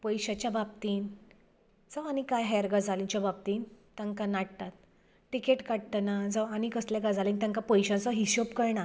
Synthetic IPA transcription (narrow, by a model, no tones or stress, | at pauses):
pəjɕat͡ɕjabab̚t̪iːn | d͡zəʋañikajɦɛɾɡad͡zʱalĩɲt͡ɕjabab̚t̪iːnt̪ãŋkanaɽ̚t̪at̪ | ʈikeʈkaɽt̪nad͡zəʋañikəsljakad͡zʱalĩnt̪ãŋkapəjɕãt͡sɔɦiɕopkəɾɳa